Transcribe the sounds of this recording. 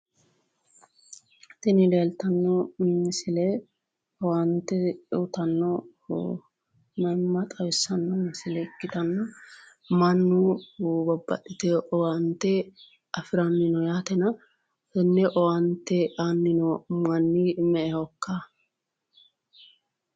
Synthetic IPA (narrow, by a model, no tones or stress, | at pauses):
t̪ɛnɪleːlt̪ɐnːɔmɪsɪlɛ | ɔwɐnt̪ɛot̪ɐnːɔ | mɐmːɐt̪ʼɐwɪsːɐnːɔmɪsɪlɛkːɪt̪ɐnːɐ | mɐnːubɐbːɐ̰ɗɪt̪ɛɔwɐnt̪ːɛ | ɐfɪɾɐnːɪnɔjaːt̪ɛnɐ | hɛnːɛʔɔwɐnt̪ːɛʔanːɪnɔmɐnːimɛʔɛhɔkːa